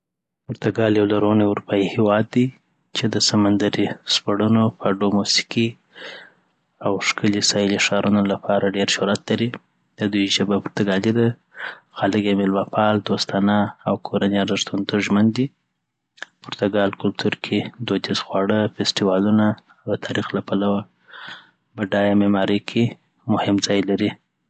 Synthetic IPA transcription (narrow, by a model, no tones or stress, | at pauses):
pʊɾt̪aɡɑljawlaɾoneʊɾupɑihewɑd̪ːi | t͡ʃed̪əsamand̪aɾispaɽunofaɖomusi̥ki | awʂkəlisɑjɪliʃɑɾunolapʰɑɾaɖeɾʃʊɾat̪laɾi | d̪̥əd̪ujʒəbapʊɾt̪aɡɑlid̪a | xalɪɡemɪlmapɑld̪ost̪ɑnaawkʰoɾaneaɾdaʂt̪unt̪ʰuʒmənd̪i | pʊɾt̪aɡɑlkʊlt̪ʰuɾkʰed̪od͡ʒ̪ɪzxwɑɽəfesʈiwɑlunaː | wd̪ət̪ʰɑɾixlapalawa | bəɖɑjamemɑɾəjkʰe | mʊhɪmd͡zɑjlaɾi